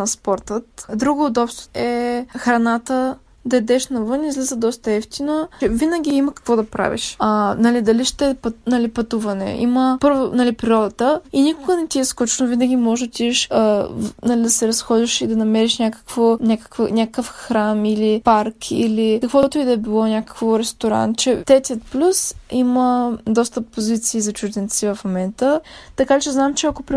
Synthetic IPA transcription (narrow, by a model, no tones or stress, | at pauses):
nɐspɔɾt̪ət̪d̪ɾuɡoʊd̪ɔpst̪o̥ɛxɾɐnat̪ə | d̪ɐɛd̪ɛʃnɐvɤnizlizəd̪ɔst̪əɛft̪inəɛvinəɡʲiiməkɐ̥kvɔd̪ɐpɾa̰vḭʃanɐlid̪ɐliʃt̪ɛpɐnɐlipɐt̪uvɐnɛ̰ʔḭməpɤɾvonɐlipɾiɾɔd̪ɐt̪əinʲikʊɡənɛt̪iɛskut͡ʃɛnʊvinəɡʲimɔʒɛd̪ɐt̪iɛʃənɐlid̪ɐsɛɾɐsxɔd̪ʲiʃid̪ɐnɐmɛɾiʃnʲakə̥kvonʲakə̥kvənʲakəfxɾamilipaɾkʰḭlikəkvɔt̪ʊid̪ɐɛbilˠɔnʲakə̥kvoɾɛst̪oɾa̰nt͡ʃɛt̪ɾɛt̪iət̪̚plʲusiməd̪ɔst̪əpːozit̪siːzɐt͡ʃuʒd̪ɛnt̪sivɐfmomɛnt̪ət̪ɐkat͡ʃɛznamt͡ʃɛɐkopɾi